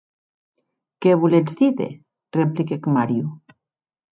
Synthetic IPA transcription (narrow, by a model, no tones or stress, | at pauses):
keβulezd̪iðḛ | replikekmaɾju